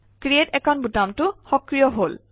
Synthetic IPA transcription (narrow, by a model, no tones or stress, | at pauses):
kɹijetɛkʰɔnbutamtʊxɔkɹijɔɦol